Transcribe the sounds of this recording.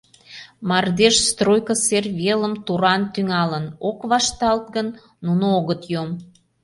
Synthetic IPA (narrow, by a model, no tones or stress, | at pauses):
mɑrd̪eʃst̪rojkəserβeləmt̪uɾɑnt̪yŋɑlənokβɑʃt̪ɑlt̪̚ɡənː | unooɣət̪jom